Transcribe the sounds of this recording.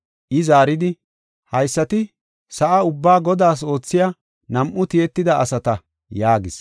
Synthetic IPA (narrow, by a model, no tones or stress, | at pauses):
ʔɪzaːɾɪd̪ɪ | hɐjsːɐt̪ɪ | sɐʔɐʊbːaːɡɔd̪aːs̬o̞ːt͡sːɪjaː | nɐmʔʊt̪ɪjɛt̪ːɪd̪ɐʔɐ̰sɐt̪ɐ | jaːɡɪs